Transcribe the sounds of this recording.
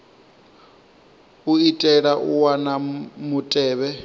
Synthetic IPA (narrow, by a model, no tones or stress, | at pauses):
uitʼɛɺaʔuwanamutʼɛːβɛ